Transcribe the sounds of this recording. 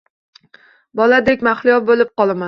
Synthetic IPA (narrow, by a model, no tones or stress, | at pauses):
bɒlad̪ekʲmaχlɪjɒbolɪp̚qɒlˠama